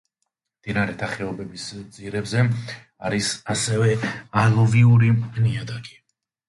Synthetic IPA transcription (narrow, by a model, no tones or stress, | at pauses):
md̪̥inaɾɛt̪ʰaχɛɔbɛbisd̪ziɾɛbzɛ | aɾisasɛvɛalˠɔviuɾiniad̪aɡi̥